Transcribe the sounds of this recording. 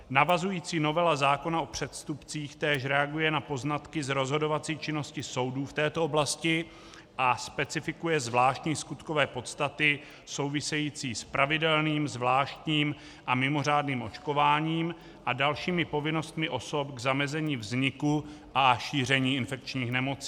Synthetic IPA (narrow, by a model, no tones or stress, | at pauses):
navazujiːt͡siːno̞vɛlazaːko̞naʔo̞pr̝̥ɛt̪st̪upt͡siːxt̪ɛːʃ̬ɾɛaɡujɛnapo̞znat̪kɪzɾo̞zɦo̞do̞vat͡siːt͡ʃɪno̞scɪso̞wduːft̪ɛːt̪ooblascɪ | ʔaspɛt͡sɪfɪkujɛzvlaːʃt̪ɲiːskut̪ko̞vɛːpo̞t̪st̪at̪ɪ | so̞wvɪsɛjiːt͡siːspɾavɪdɛlniːmzvlaːʃt̪ɲiːm | ʔamɪmo̞r̝aːdniːmʔo̞t͡ʃko̞vaːɲiːm | ʔadalʃiːmɪpo̞vɪno̞st̪mɪʔo̞so̞pɡzamɛzɛɲiːvzɲɪku | ʔaʃiːr̝ɛɲiːɪnfɛk̚t͡ʃɲiːxnɛmo̞t͡si̥ː